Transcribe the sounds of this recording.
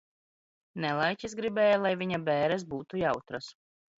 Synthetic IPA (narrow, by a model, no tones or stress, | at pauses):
nɛlˠajcʲis̬ɡɾibɛːjalˠajviɲabɛːɾɛs̬buːt̪ujawt̪ɾas